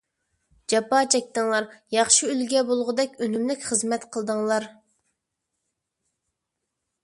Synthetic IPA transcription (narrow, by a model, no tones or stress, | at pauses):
d͡ʒɑpɑːt͡ʃʰɛk̚ʲt̪ɨŋlˠɑɾjɑχʃiylɡʲɛbolˠʁʊd̪ɛkʲønymlɪkʲχəzmɛt̪qʰəlˠd̪əŋlˠɑɾ